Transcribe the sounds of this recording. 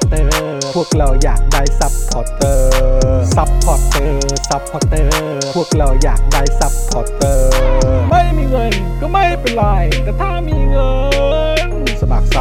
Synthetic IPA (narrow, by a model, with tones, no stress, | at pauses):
t̪ɤ˧u˥˩ək̚ɾa˧˩wja̰ː˨˩k̚da˧˩jsa˧˦˥p̚t̪ʰɔ˨˩t̪ːɤː˧sa˧˦˥p̚p̪ʰɔ˨˩t̪ːɤː˧sa˦˥p̚pʰːa˧˩k̚t̪ɤː˧ | u˥˩ək̚ɾa˧˩wja̰ː˨˩k̚da˧˩jsa˧˥p̚t̪ʰɔ˨˩t̪ːɤː˧ma˥˩jmiː˧ŋɤ˧n | kɔː˥˩ma˥˩jpe˧nɾa˧jt̪ɛː˨˩t̪ʰaː˧˩miː˧ŋɤ˧ | n | sa˧ma̰˨˩k̚sa˧